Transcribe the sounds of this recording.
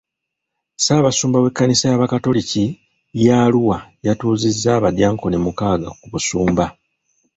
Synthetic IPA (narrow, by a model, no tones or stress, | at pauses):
saːβasuːmbawe̞kːanisajaβakato̞lici | jaluwajatuːzizːaːβadjaːŋko̞nemukaːɡa̰kuβusuːmba